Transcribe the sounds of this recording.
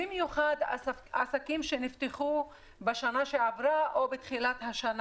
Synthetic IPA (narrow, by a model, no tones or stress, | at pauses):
imjuχad̪asakimʃenift̪eχu | beʃanaʃeʕavɾaʔobet̪χilat̪haʃan